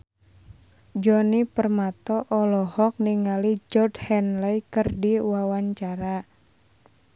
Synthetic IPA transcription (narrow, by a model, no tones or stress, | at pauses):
d͡ʒɔnipərmat̪ɔʔɔlɔhɔk̚niŋalid͡ʒɔrdhɛnlɛjkɨrdiwawaɲt͡ʃaɾa